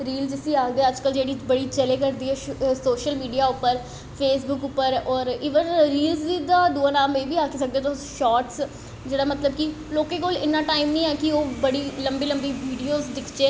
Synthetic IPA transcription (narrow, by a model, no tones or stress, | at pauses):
ɾiːld͡ʒɪsiːaːɡd̪eːəd͡ʒkəld͡ʒeːɽiːbəɽiːt͡ʃɛleːkəɾd̪iːɦɛːsoːʃəlmiːɖijaːʊpːəɾ | pʰeːsbʊkʊpːəɾɔːɾiːʋənɾiːlzid̪aːd̪uaːnaːməiːʋiːaːkiːsək̚d̪eːt̪oʃɔːʈs | d͡ʒeːɽaːmət̪ləbkɪ | loːkeːkoːlɪnːãːʈaːɪmnĩːɛːkɪoːbəɽiːləmbiːləmbiːʋiːɖijoːzd̪ɪkʰd͡ʒeː